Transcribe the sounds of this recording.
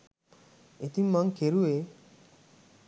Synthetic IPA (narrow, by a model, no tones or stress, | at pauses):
et̪immːaŋkʰeɾue